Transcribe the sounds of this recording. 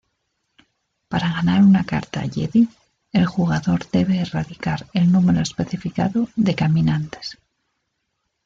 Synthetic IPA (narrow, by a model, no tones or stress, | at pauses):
paɾaɣanaɾunaka̰ɾt̪a̰ʎḛði | e̞lxuɣ̞aðo̞ɾðe̞βe̞ːraðikaɾe̞lnume̞ɾo̞espe̞θifika̰ðoðe̞kamĩnant̪e̥s